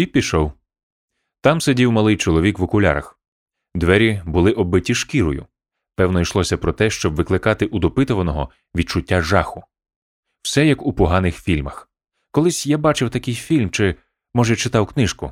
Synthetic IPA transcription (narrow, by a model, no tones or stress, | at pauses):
ipʲiʃɔw | t̪ɑmsedʲiwmɐlˠɪjt͡ʃɔlˠɔʋʲikʋɔkʊlʲa̰ɾɐ̰x | d̪ʋɛɾʲibʊlˠɪʔɔbɪtʲiʃkʲiɾɔjʊ̰ | pɛwnɔijʃlˠɔsʲɐpɾɔt̪ɛʃt͡ʃɔbʋɪklˠɪkɑt̪ɪʔud̪ɔpɪt̪ɔʋɐnɔɦɔ | ʋʲid̪̚t͡ʃʊtʲːaʒɑxʊ | w̥sɛjɐkupɔɦɑnɪxfʲilʲmɐx | kɔlˠɪsʲjabɑt͡ʃɪwt̪ɐkɪjfʲilʲmt͡ʃɪ | mɔʒɛt͡ʃɪt̪ɑwknɪʃkʊ̰